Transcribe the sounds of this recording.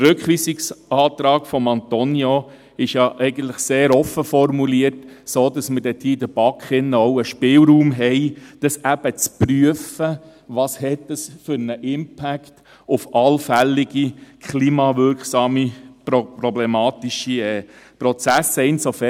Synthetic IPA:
ərɾɵkχʋiːsɪksɑːt̪ɾɑːɡ̥fɔmɑnt̪ɔnjo | ɪʃjɑʔɛɪɡən̩t̪ləχseːɾɔfəfɔrmuliəɾtsoːdɑsmədɛt̪iːd̪əb̥ɑkχɪnːəɔʊəʃpɪlɾuːmɦɛɪd̥əsæb̥ət͡spryəfə | ʋɑːshɛtːəsfʏɾnəʔɪmpʰækt | ʊfɑlfælːɪɡ̥ikʰχliːmɑvʏɾksɑːmipɾɔblɛmɑːt̪ɪʃiɛːpɾɔt͡sæsːəɪnsofɛ

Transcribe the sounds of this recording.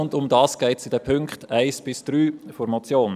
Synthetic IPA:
ʊndʊmdɑːsɡ̥ɛɪtsid̥ɛpʰʏŋkχtæɪsb̥ɪsd̪̥ɾyːfɔɾmɔt͡sjoːn

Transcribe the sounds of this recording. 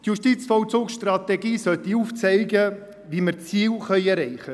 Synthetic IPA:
t̪juʃtit͡sfɔwt͡soːksʃtrɑt̪ɛɡiːsœt̪iuːft͡sɛɪɡə | ʋiməɾt͡siːwχœʏɛɾɛɪχə

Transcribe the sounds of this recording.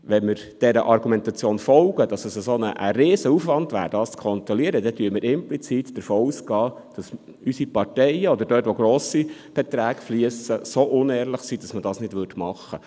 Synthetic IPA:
ʋɛnmɪɾ | d̥ɛɾəʔɑɾɡumɛnt̪ɑt͡sjoːnfɔlɡ̥əd̥ɑsəsəsoːnəʔə̰ɾeːsəufʋɑndʋæ̰ːɾdɑːst͡skʰɔnt̪ɾɔliəɾəd̥ɛtyːəmɪːɾɪmplit͡siːtd̥əɾfoːuːsɡɑː | d̥ɑs | ysipɑrtɛɪəɔd̪əɾdœːtʋoɡɾoːsib̥ɛt̪ɾæːkfliəsəsoʔʊnɛːɾləχsid̥ɑsmədɑːsnɪd̥ʋʏrdmɑχːə

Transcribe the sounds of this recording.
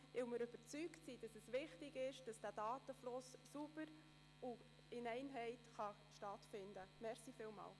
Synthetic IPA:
ɪwmɪɾøb̥əɾt͡syktsid̥ɑsɛsʋɪχtɪɡɪʃd̥ɑsd̥æːd̥ɑːtəflʊssubəɾ | u | ɪnɛɪnɦɛɪtχɑ | ʃtɑtfɪndəmɛɾsifiːlmɑ̰ːl

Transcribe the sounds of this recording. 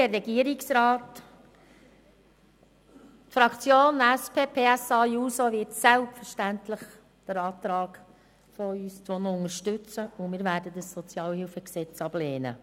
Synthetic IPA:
ərːɛɡiəɾɪksɾɑːt | tfɾɑkt͡sjoːnæspʰeːpʰeːæsɑːjuːsoʋɪtsælptfəɾʃtænt̪ləχ | d̥əɾɑːtɾɑːɡ | fɔyːst͡sonʊŋəɾʃtʏt͡səʊmɪːɾvæːɾdədəsːɔt͡sjɑːlhɪlfəksɛt͡sɑb̥leːnə̰

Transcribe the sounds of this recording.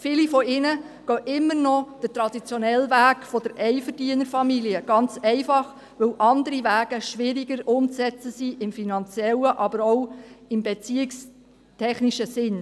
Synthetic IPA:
fiːlifɔɪnə | ɡ̥œʔɪmːəɾnɔd̥ətɾɑd̥it͡sjɔnɛlvæːkfɔd̥əɾʔɛɪfəɾdiənəɾfɑmiliəɡ̥ɑnt͡sɛɪfɑχ | ʋɵwʔɑnd̪əɾiʋæːɡ̥əʃʋɪɾiɡəɾʊmt͡sɛt͡səsiʔɪmfinɑnt͡sjɛləʔɑbəɾoʊɪmbet͡siɪks | tʰɛχniʃəsɪn

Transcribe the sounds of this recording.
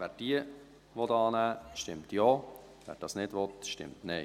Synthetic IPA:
vɛːd̥iə | ʋɔtɑːnæːʃtɪmtjɔː | vɛ̰ɾ̚d̥ɑːsnɪdʋɔtʃtɪ̰mtnɛɪ

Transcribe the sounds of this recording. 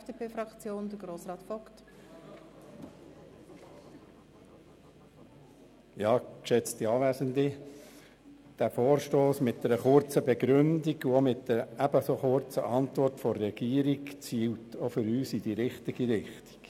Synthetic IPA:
d̥eːpʰeːfɾɑkt͡sjoːnd̥əɡɾoːsrɑːtfɔkt | jɑːkʃɛt͡st̪iɑʋæːzəndi | d̥æfoːɾʃtoːsmɪt̚d̥̪ɛɾəχʊɾt͡səbɛɡɾʏndiɡuomɪtd̥əæbəsoχʊɾt͡sə̰ʔɑnt̪ʋɔrtfɔrːɛɡ̥iːəɾikt͡siːltʰofʏɾyːsid̥iɾɪχtiɡ̥iɾɪχti̥k

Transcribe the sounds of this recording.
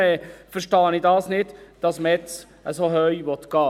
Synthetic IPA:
ɛːfəɾʃtɑːnɪdɑːsnɪdd̥ɑsməɛt͡s | əsohœʏʋɔt̪ɡ̥ɑː

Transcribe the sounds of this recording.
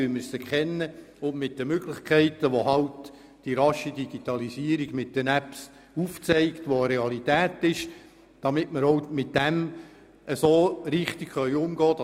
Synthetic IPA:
yməsəkʰɛnːə | ʊnmɪt̚d̥əmøɡlɪχkʰɛɪtəʋoɦɑlt | d̥iɾɑʃidiɡ̥itɑlisiəɾiɡmɪt̚d̥ənæps | uft͡sɛɪktʋoəɾeɑlitæːtɪʃ | d̥ɑmɪtməɾoʊmɪt̚d̥æm | əsoːɾɪχtikχœʏʊmɡ̥ɑːdɑ

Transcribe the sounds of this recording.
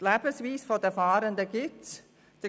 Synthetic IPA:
lɛːb̥ənsviːsfodɛfɑːɾəndəɡɪts | d̥i

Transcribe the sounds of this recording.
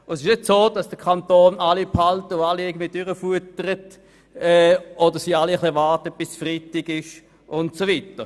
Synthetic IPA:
ʊnsɪʃnɪtsoːd̥ɑsd̥əkʰantoːnalipʰhaltəʊaliɪɐɡəndviːdʏʁəfuətəʁət | ɛodəsialiəχlivɑʁtət̚b̥ɪsfʁitɪɡɪʃ | ʊntsoviːtə

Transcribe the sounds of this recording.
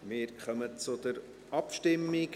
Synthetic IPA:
mɪːɾχœmət͡sʊd̥̪əɾ | ʔɑpʃtɪmːɪk

